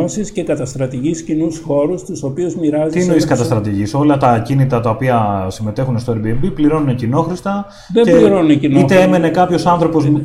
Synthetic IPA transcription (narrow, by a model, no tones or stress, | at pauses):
osisce̞kɐt̪ɐst̪ɾɐt̪iʝiscinusxo̞ɾust̪uso̞piuzmiɾɐzit̪inoiskɐt̪ɐst̪ɾɐt̪iʝiso̞lɐt̪ɐcinit̪ɾɐt̪ɐopiɐsime̞t̪e̞xunest̪o̞eɾbiembipliɾo̞nune̞cino̞xɾist̪ɐ | ðeeliɾonunecinit̪eeme̞ne̞kɐpço̞sɐnθɾo̞po̞z